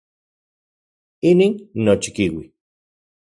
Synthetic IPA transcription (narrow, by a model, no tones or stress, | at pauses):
iniːnːot͡ʃi̥kiwi